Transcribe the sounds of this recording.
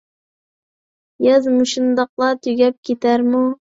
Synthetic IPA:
jɑzmuʃund̪ɑq̚lˠɑt̪ʰyɡʲɛp̚kʲʰet̪ʰæɾmu

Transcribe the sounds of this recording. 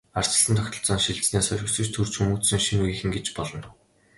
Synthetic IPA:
ar̥t͡ɕə̥̆ɮə̆nt̪ʰɔkʲt̪ʰɞ̆ɮt͡sɔːnʃiɮt͡sneːsœrʲɪ̆ksɘ̆t͡ɕt̪ʰɵrt͡ɕʰxumuːt͡ssɵ̆ŋʃinujiːxɘ̆ŋɡet͡ɕpɔɮɞ̆n

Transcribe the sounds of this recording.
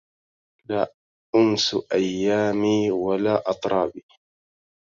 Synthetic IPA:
laː | ʔʊmsʔajːaːmiːwalaːʔɑt̪ˤɾˤɑːbiː

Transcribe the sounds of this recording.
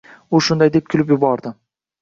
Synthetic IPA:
ʊʃʊnd̪ajd̪e̞p̚kʲʰʊlɪpjʊbɒɾd̪ɪ

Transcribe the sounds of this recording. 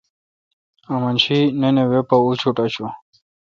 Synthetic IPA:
amɐnt͡ɕʰinenewepaut͡ɕʰuʈat͡ɕʰu

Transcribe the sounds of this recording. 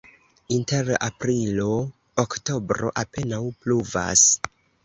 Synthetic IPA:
inte̞ɾa̰pɾilo̞ː | kto̞bɾo̞̰ʔape̞nawpluva̰s

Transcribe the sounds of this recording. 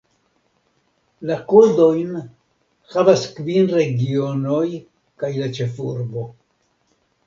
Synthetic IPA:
lakud̪o̞jn | havaskvinɾe̞ɡio̞no̞j | kajlat͡ʃe̞fuɾbo̞

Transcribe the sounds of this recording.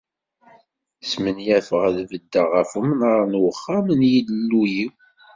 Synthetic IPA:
smənjæfəʁəðvəd̪ːəʁəfumənɾˤnwəχːæmənjid̪əlːuji

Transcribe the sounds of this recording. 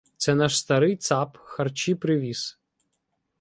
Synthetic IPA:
t̪sɛnɑʃst̪ɐɾɪjt̪sɑpxɐrt͡ʃipɾɪʋʲis

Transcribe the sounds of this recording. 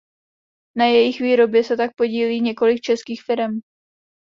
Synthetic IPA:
najɛjɪxviːɾo̞bjɛsɛt̪ak̚po̞ɟiːliːɲɛko̞lɪk̚t͡ʃɛskiːxfɪɾɛm

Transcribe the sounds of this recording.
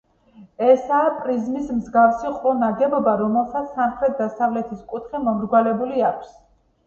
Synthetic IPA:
ɛsaːpʼɾizmismzɡafsiqʼɔnaɡɛbɔbaɾɔmɛlˠsat̪ssːamχɾɛt̪̚ʰd̪asavlɛt̪ʰiskʼut̪ʰχimɔmɾɡwalɛbuliakʷʰs

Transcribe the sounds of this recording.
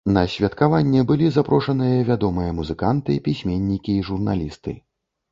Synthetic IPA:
nɐsʲvʲɐt̪kavanʲːɛbɨlʲizapɾɔʂɐnɨjɐvʲad̪ɔmɨjɐmuzɨkant̪ɨpʲisʲmʲenʲːikʲiːʐurna̰lʲist̪ɨ̰

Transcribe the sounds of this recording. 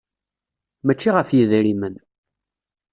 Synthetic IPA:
mæt͡ʃːiʁəfjiðɾimən

